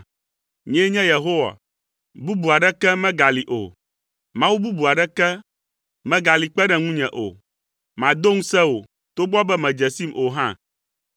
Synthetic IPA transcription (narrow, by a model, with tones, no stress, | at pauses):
ɲɛ̃˦ɲɛ̃˦je˨ɦo˦wa̰˨ | bu˦bu˨a˨ɖɛ˦kɛ˦mɛ̃˦ɡa˨li˨ʔo̰˨ | mã˦wu˦bu˦bu˨a˨ɖɛ˦kɛ˦ | mɛ̃˦ɡa˨li˨k͡pɛ˦ɖɛ̃˨ŋũ˦ɲɛ̃˨ʔo̰˨ | mã˨d̪o˦ŋũ˦sɛ˦o˨ | t̪o˦ɡ͡bɔ˦bɛ˦mɛ̃˨d͡ʒɛ˨si˦mʔo˨ɦã̰˦˨